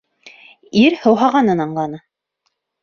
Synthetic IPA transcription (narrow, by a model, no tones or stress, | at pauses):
iɾhɤ̆wɦɑʁɑnɤnɑɴlˠɑnɤ